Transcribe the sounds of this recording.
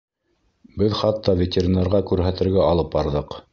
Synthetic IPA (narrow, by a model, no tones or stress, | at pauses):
bɘðχɑt̪ʰːɑvʲetʲeɾʲinɑɾʁɑkʉɾɦæt̪ɘ̆ɾɡæɑlˠɤp̚bɑɾðɤq